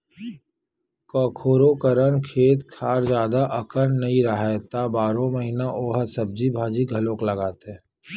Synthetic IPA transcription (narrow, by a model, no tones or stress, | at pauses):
kɔːkʰoːɾokəɾənkʰeːt̪kʰaːɾd͡ʒjaːd̪aʔɐkənnɐɦĩɾɐɦaet̪abaːɾõmɐɦinaʔoːɦəsɐb̚d͡ʒibʱaːd͡ʒiɡʱɐlõːklɐɡaːt̪ɦɛː